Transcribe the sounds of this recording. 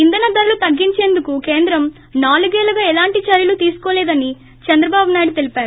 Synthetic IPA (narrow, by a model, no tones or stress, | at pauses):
ind̪ɐnɐd̪ɐɾulut̪ɐɡːiɲt͡ʃe̞ːnd̪ukuke̞ːnd̪ɾɐm | naːluɡeːlɐɡaːɛlaːɳʈit͡ʃɐɾjɐlut̪iːsu̥koːlɛːd̪ɐni | t͡ʃɐnd̪ɾɐbaːbunaːjɽut̪e̞lipaːɾu